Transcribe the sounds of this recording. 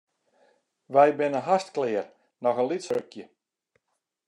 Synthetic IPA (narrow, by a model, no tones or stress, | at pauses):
ʋɛjbɪnəɦastklɪər | nɔxənlitsøkʰjə